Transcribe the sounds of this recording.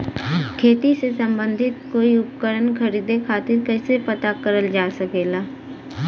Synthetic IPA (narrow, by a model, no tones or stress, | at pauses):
kʰeːt̪isesɐ̃mbə̃nd̪ʱɪt̪̚koːiʊpkəɾənkʰəɾiːd̪ekʰaːt̪ɪɾkɛːsepɐt̪akəɾəld͡ʒaːsəkeːlaː